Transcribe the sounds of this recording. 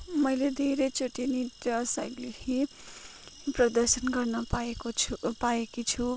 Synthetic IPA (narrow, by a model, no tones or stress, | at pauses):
mʌjled̪ʱeɾet͡soʈiniʈʌsajɡlehi | prʌd̪ʌɾsʌnɡʌrnʌaekopaekit͡sʰu